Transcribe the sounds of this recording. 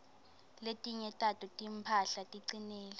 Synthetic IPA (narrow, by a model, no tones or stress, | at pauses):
letʼiɲɛtʼatʰʼutʼimpʰaɬatʼiǀineːli